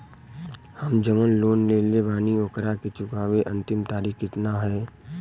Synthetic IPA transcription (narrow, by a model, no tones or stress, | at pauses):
həmd͡ʒəmənloːnleːlebaːnioːkəɾaket͡ʃʊkaːʋeʔɐ̃nt̪ɪmt̪aːɾiːkɪt̪naɦɛː